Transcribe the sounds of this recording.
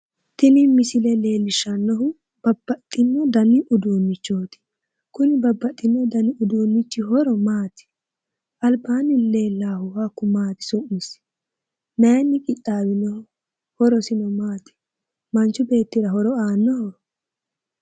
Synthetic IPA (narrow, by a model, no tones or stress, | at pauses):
t̪ɪnɪmɪsɪlɛle̞ːlːɪʃɐnːɔɦʊ | b̥ɐbːɐt̪ʼːɪnːɔd̪ɐnɪʔʊd̪uːnːɪt͡ʃːoːt̪ɪ̥ | kʊnɪbɐbːɐt̪ʼːɪnːɔd̪ɐnɪʊd̪uːnːɪt͡ʃːɪɦɔɾɔmaːt̪ɪ̥ | ʔɐlbaːnɪle̞ːlːaːhʊhɐkːʊmaːt̪ɪ̥sʊʔmɪs | nɐjɛnːɪkʼɪt̪ʼːaːwɪnːɔhʊ | hɔɾɔsɪnɔmaːt̪ɪ̥ | mɐnt͡ʃːʊbe̞ːt̪ːɪɾɐɦɔɾɔaːnːɔhɔɾɔ